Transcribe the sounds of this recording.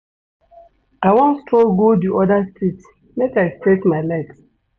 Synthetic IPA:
awɔ̃nstʰɔlɡodiʔɔdastit | mɛkaɪstetmaɪlɛks

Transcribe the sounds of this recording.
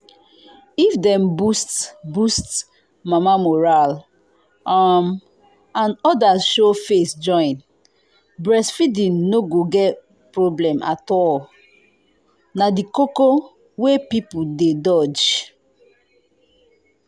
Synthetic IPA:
ifdɛ̃mbustbust | mamamɔɹal | am | ãnɔdaʃofesd͡ʒɔ̃ɪ̃n | bɹɛsfidĩnnoɡoɡɛt | pɹoblɛ̃ma̰tɔl | nadikoko | wepipudedɔd͡ʒ

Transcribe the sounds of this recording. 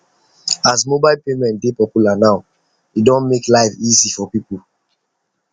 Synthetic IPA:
asmobaɪlpemɛ̃ntdepɔpjulanaʊ | idɔ̃nmeklaɪfizifɔpipu

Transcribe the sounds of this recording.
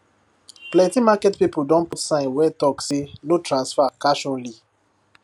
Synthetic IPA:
plɛ̃timakɛtpipudɔ̃nputsãɪ̃nwɛtɔksenotɾãnsfakaʃɔ̃nli

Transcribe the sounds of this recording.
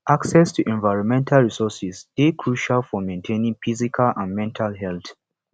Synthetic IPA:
ʔaksɛstʰuʔɛ̃nvaɪɹɔ̃nmɛ̃ntʰalɹisɔsisdekʰɹuʃalfɔmẽntʰẽnĩŋfizikʰalãnmɛ̃ntʰalɦɛlθ

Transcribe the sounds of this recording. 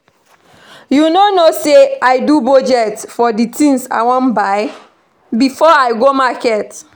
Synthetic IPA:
junonoseaɪdubɔd͡ʒɛtfɔditʰĩŋsa̰ɪwɔ̃nbaɪ | bifɔaɪɡomakɛt

